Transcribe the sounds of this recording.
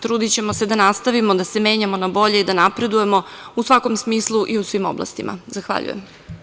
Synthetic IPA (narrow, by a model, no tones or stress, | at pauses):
t̪ɾuːd̪it͡ɕe̞mo̞se̞d̪anast̪aʋimo̞d̪ase̞me̞ːɲamo̞nabo̞ʎeid̪anapɾe̞d̪uje̞mo̞usʋako̞msmiːslˠuʔiusʋimo̞̰blˠa̰st̪imʔa̰zaxʋa̰ʎṵjem